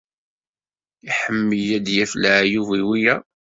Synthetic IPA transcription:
iħəmːəjæd̪jæflaʕjuviwijæ

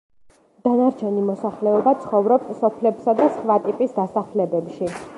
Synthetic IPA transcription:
d̪̥anaɾt͡ʃʰɛnimɔsaχlɛɔbat̪sʰχɔvɾɔpssɔpʰlɛpsad̪asχvat̪ʼipʼisd̪asaχlɛbɛpʃi

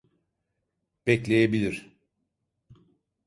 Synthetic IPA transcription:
b̥ɛclʲe̞jebilʲiɾ̥

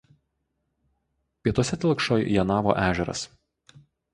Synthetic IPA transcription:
pʲiɛt̪uɔsʲɛt̪ʲɪlˠkʃoːjjɛnɑːʋo̰ʔæːʒʲɛɾɐ̰s

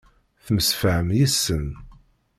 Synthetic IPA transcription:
θməsfəəmjisːən

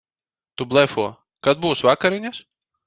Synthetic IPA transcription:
t̪ublˠɛfuɔ | kad̪̚buwsvakaɾiɲʲas

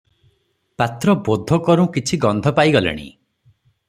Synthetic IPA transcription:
pat̪ɾɔbod̪ʱɔkɔɾũkit͡ʃʰiɡɔnd̪ʱɔpajɡɔlḛɽ̃ḭ

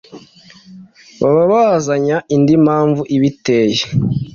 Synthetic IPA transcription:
βaβaβazaɲaʔindimaːɱvuʔiβiteːje

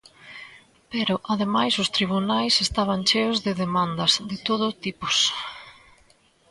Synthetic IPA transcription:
pɛɾʊʔaðemajsʊst̪ɾiβ̞unajsest̪aβ̞ɐnt͡ʃeʊzðɪðemand̪ɐzðɪt̪oð̞ʊt̪ipʊ̥s

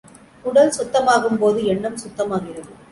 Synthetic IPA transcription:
ʊɽɐlsʊt̪ːɐmaːɣɯmpoːðɯɛɳːɐmsʊt̪ːɐmaːɣɪrɐðɯ

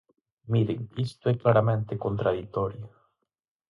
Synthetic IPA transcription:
miɾeŋkist̪oɛklaɾamẽnt̪ekont̪ɾaðit̪oɾjo

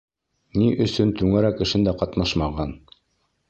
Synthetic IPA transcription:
niʔɵ̆sɵnt̪ʉŋæɾækːɘ̆ʃɘnd̪æqɑt̪nɑʃmɑʁɑn

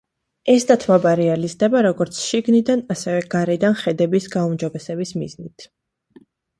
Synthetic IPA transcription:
ɛsd̪at̪ʰmabaɾɛalizd̪ɛbaɾɔɡɔɾt̪sʰʃiɡnid̪anasɛvɛɡ̥aɾɛd̪anχɛd̪ɛbisɡaumd͡ʒɔbɛsɛbismiznit̪ʰ

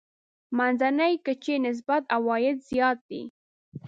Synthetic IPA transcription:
manzanəjkət͡ʃenɪs̬bat̪awɑjɪd̪z̥ijɑt̪̚d̪ḭ

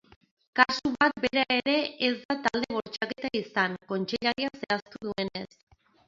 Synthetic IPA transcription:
kasuβat̪beɾae̞ɾe̞ezd̪at̪ald̪e̞β̞o̞ɾt͡ʃake̞t̪aisaŋko̞nt͡ʃeʎaɾiase̞ast̪uðue̞ne̞s

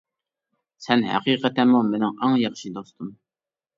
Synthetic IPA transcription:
sɛnhæ̰qiːqət̪ɛmumenɪŋɑŋjɑχʃid̪ost̪ʰum

